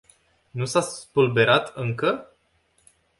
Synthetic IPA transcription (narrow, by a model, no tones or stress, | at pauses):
nusaspulbe̞ɾat̪ʰɨŋkə